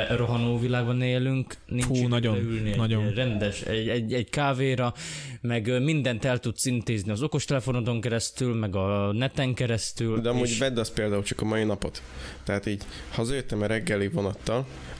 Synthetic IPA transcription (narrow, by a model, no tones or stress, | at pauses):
ro̞ɦɒnoːvilaːɡbɒneːlyŋkninut͡ʃːnɒɟoylneːnɒɟorɛnd̪ɛʃɛɛɟɛɟkaːveːɾɒmɛɡmind̪ɛnt̪ɛlt̪ut̪sint̪eːzniɒzo̞ko̞ʃt̪ɛlɛfo̞no̞t̪o̞ŋkɛɾɛst̪ylmɛɡɒnɛt̪ɛŋkɛɾɛst̪yld̪ɛɒmuːɟvɛd̪ːɒspeːld̪aːult͡ʃɒ̥kɒmɒjinɒpo̞t̪ːɛɦat̪iːɟ | hɒzɒjøt̪ːɛmɛɾɛɡːɛlivonɒt̪ːɒl